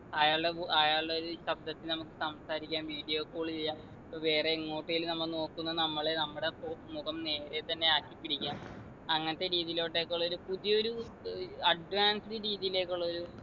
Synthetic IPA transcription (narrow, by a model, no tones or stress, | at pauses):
aːjaːɭɖeaːjaːɭɖeo̞ɾuɕɐb̚d̪ɐt̪ːilnɐmukːɨ̥sɐmsaːɾikʲːaːnʋiːɽijo̞ːkːoːɭit͡ɕe̞jːaːm | pːoʋe̞ːreːŋːo̞ːʈːɐjilnɐmːɐɭno̞ːkːunːɐnɐmːɐɭenɐmːuɽepomuɣɐmne̞ːɾe̞t̪ɐnːe̞aːkːipːiɽikʲːaːm | ɐŋːɐnɐt̪ːe̞ɾiːðijiloːʈːe̞ːkːuɭːɐo̞ɾupuðijɐo̞ɾu | ɐɖʋaːnsiɨɾiːðijile̞ːkʲːuɭːɐo̞ɾu